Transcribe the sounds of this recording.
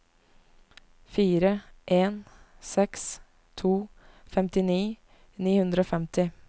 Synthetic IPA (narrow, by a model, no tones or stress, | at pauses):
fiːɾəʔeːn | sɛks | t̪ʰuː | fɛmt̪ɪniː | niːhʉnd̪ɾəoːfɛmt̪ʰɪ